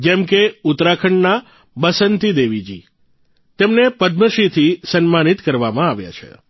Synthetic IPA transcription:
d͡ʒɛmkeʊt̪ɾakʰəɳna | bəsənt̪id̪eʋid͡ʒi | t̪emnepəd̪̚məʃit̪ʰisənmanit̪kəɾʋamãaʋja̰t͡ʃʰḛ

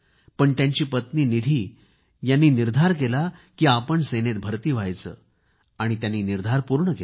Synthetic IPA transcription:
pəɳt̪jaɲt͡ɕiːpət̪niːnid̪ʱiː | janːiːniɾd̪ʱaɾkelakiːapəɳsenet̪̚bʱəɾt̪iːʋajt͡sə̰ː | aɽ̃it̪jãnːiːniɾd̪ʱaɾpuɾɳəkel

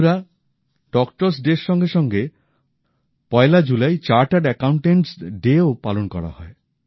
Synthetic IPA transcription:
ɾa | ɖɔkʈɔɾs̬ɖeʃːɔŋɡeʃɔŋɡe | pɔelad͡ʒulajt͡ɕaɾʈaɖɛkawɳʈeɳʈsɖeopalonkɔ̰ɽa̰hɔe

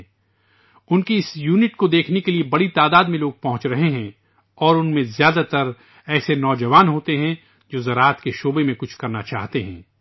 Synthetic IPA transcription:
ʊnkiɪsjuːnɪʈkod̪eːkʰnekeliebɐɽit̪aːd̪aːd̪mẽloːɡ̚pɐɦʊ̃t͡ʃɾɐɦeɦɛ̃ | ɔːɾʊnmẽzjaːd̪at̪ɐɾ | ɛːsenɔːd͡ʒɐʋaːnɦoːt̪eɦɛ̃ | d͡ʒoːzɐɾaːət̪keʃoːbemẽkʊt͡ʃʰkɐɾnat͡ʃa̰ːɦt̪eɦɛ̰̃ː

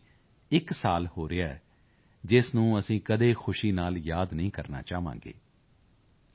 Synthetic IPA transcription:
ɪksaːlhoːɾɪaɛ̰ː | d͡ʒɪsnũːəsĩːkəd̪eːxʰʊʃiːnaːljaːd̪nəĩːkəɾna̰ːt͡ʃaːʋã̰ːŋɡḛː

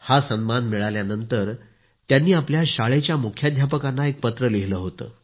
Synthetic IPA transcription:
hasənmanmiɭaljanənt̪əɾ | t̪janːiːapljaɕaɭet͡ɕjamukʰjad̪ʱjap̬əkanːaek̚pət̪ɾəliɦləɦot̪ə̰ː

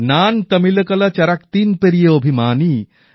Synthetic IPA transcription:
naːnt̪ɐmilɐkɐlɐt͡ʃɐɾɐkt̪iːnpɐɾijɐobʱimaːni

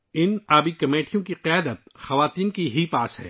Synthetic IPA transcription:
ɪnaːbikɐmeːʈijõkiqɪjaːd̪ət̪̚xɐʋaːt̪iːnkiɦipaːsɦɛ̰ː

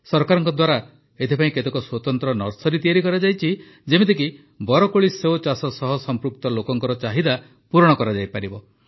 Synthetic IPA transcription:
sɔɾkaɾɔŋkɔd̪waɾa | et̪ʰepaĩket̪ekɔswɔt̪ɔnt̪ɾɔnɔɾsɔɾit̪iaɾikɔɾad͡ʒajt͡ʃʰi | d͡ʒemet̪ek̬i | bɔɾɔkoɭiseot͡ʃasɔsɔɦɔsɔmpɾuk̚t̪ɔlokɔŋkɔɾɔt͡ʃaɦid̪a | puɾɔɽ̃ɔkɔɾad͡ʒajpaɾibɔ

